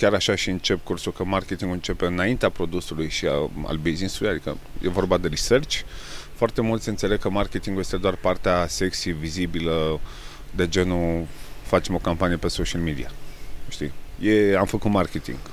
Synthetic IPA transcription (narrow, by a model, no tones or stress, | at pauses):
kʲaɾaʃaʃiɨnt͡ʃe̞pkursulkəmarkʲet̪iŋɡuɨnt͡ʃe̞pe̞ɨnaint̪eapɾo̞d̪usulujʃia̰a̰lbizisulujad̪ikə̰jʔe̞̰vo̞rbad̪e̞ɾisert͡ʃʲfoart̪e̞mult̪sʲɨnt̪sele̞ɡ̚kəmarke̞t̪iŋɡuje̞st̪e̞d̪oarpart̪ease̞ksijvizibilə | d̪e̞d͡ʒe̞nufat͡ʃemo̞kampanijepe̞soʃialmid̪ḭaʃt̪ḭje̞amfəkut̪market̪ḭŋɡ̥